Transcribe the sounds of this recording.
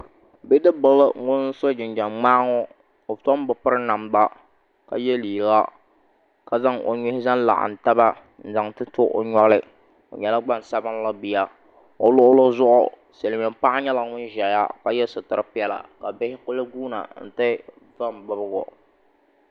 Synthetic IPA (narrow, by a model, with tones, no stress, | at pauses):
bɪ˦dɨ˦bɨ˨˦lɨ˦ŋʊ˦n˦so˦d͡ʒɪ˨nd͡ʒa˨mŋ͡maː˦ŋɔ˦ | o˨to˦m˦bɨ˨pɨ˦ɾɨ˦na˨mba˦ | ka̰˨jɛ˦liː˨ɾɡa˦ | ka˨za˦ŋo̰˨ɲʊ˦hɪ˦za˦n˦la̰˨ʔa̰˨n̩˨ta˦ba˦ | n̩˦za˨ŋtɨ˦tʊ˦ʔo̰˨ɲɔ˦ɣlɪ˦ | o̰˨ɲɛ˨la˦ɡ͡ba˦n˨sa˦bɨ˦n˦la˦bi˦ja˦ | o˨lʊ˦ʔʊ˦lo˦zʊ˦ʔʊ̰˦˨ | se˨lmɪ˨m̩˦pa˦ʔa˦ɲɛ˦la˨ŋʊ˦n˦ʒɛ˨˦ja̰˦ka˦jɛ˦sʊ˨tɨ˦ɾɨ˦pɪ˦ɛ˦la̰˨ka˨bɪ˦hɪ˦kʊ˦lɨ˦ɡuː˦na̰˨n̩˨tɨ˦ | va˦m˨bɨ˦bɨ˦ɣɔ̰˨